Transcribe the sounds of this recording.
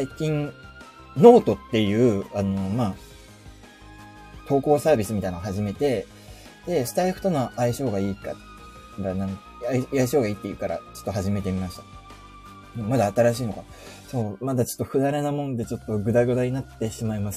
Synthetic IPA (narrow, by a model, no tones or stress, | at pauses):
saikʲĩn | no̞ːt̪o̞t̪ːe̞jɯ̟ːano̞maː | t̪ʰo̞ːko̞ːsaːbʲisɨmʲit̪ainaɡɦaʑime̞t̪e̞ | d̪̥e̞sɨ̥t̪aiɸɯ̟̥t̪o̞noaʔaiɕo̞ːɡaiːka̰ | d̪anãŋ | aiaiɕo̞ːɡaiːt̪ːeiɯ̟kaɾa̰t͡ɕo̥t̪ːoɦaʑime̞t̪e̞mʲimaɕi̥t̪ḁ | ɯmad̪aːt̪aɾaɕiːno̞ka | so̞ːmad̪at͡ɕo̥t̪ːo̞ɸɯ̟d̪aɾenamõ̞nd̪e̞t͡ɕo̞t̪ːo̞ɡɯ̟d̪aɡɯ̟d̪aɲ̟inat̪ːe̞ɕimaimasɨ̥